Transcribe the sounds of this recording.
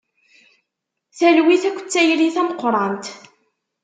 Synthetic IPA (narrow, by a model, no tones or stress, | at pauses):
θælwiθækʷːə̥t͡sːæjliθæmqːɾˤɑnt̪